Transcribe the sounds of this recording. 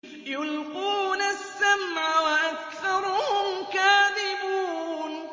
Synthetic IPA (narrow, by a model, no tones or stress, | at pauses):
jʊlquːnasːamʕawaʔakθɑɾˤʊhhʊmkaːðɪbuːn